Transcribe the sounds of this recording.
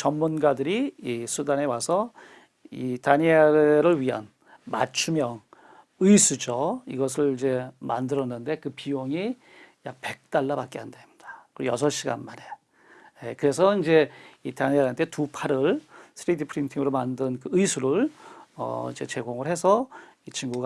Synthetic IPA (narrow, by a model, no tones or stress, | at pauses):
t͡ɕʌmmunɡadɯɾiːsʰudane̞wasʰʌ | itaɲiaɾeɾɯɭɥiɦa̰n | ma̰t͡ɕʰumjʌŋ | ɯjsʰud͡ʑʌiɡʌs̬ʰɯɭid͡ʑe̞ma̰ndɯɾʌnːɯnde̞kɯpijoŋi | jak̚pe̞k̚t͈aɭːabak͈eɦandeimɲid̥ḁkɯɾojʌs̬ʰʌɕ͈ʰiɡa̰nmane̞ | jekɯɾe̞sʰʌind͡ʑe̞itaɲiaɾntʰetupʰaɾɯɭsʰɯɾidipʰɯɾintʰiŋɯɾomandɯnkɯɯjsʰuɾɯɭʌ̰ḭd͡ʑe̞̰t͡ɕe̞ɡoŋɯɾɦe̞sʰʌ | it͡ɕʰiŋɡuɡa